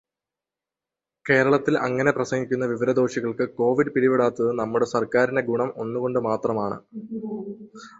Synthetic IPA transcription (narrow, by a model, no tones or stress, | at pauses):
ke̞ːɾɐɭɐt̪ːilɐ̰ŋːɐne̞prɐsɐŋɡikʲːunːɐʋiʋɐɾɐd̪o̞ːɕiɣɐɭkɨko̞ːʋiɖɨpiɽiʋiɽaːt̪ːɐðɨnɐmːuɽe̞sɐrkaːɾinde̞ɡuɳɐmo̞nːuɣo̞ɳɖɨmaːt̪rɐmaːɳɨ̰